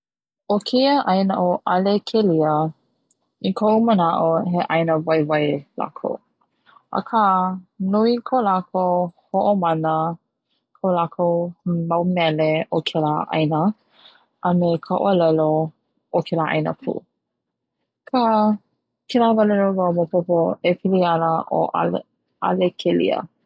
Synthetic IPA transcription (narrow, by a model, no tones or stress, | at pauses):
okʰejəʔɐjnəʔoʔɐlekʰeliə | ikʰoʔumənaʔoɦeʔɐjnəvajvajla̰kʰo̰w | ʔə̰kʰanuikʰolakʰohoʔomɐnə | kʰolakʰowmawmɛleʔokʰelaʔɐ̰jnə | ʔəmekʰaʔo̰əlɛlo | okʰɛlaʔɐ̰jnə̰pʰṵ | kʰa | kʰelavalɛlovawmopopoepʰilianəʔo̰ʔ | a̰lekʰelḭə̰